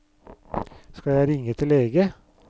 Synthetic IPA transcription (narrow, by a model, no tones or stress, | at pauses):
skɑjæɪɾɪŋət̪ʰɪleːɡə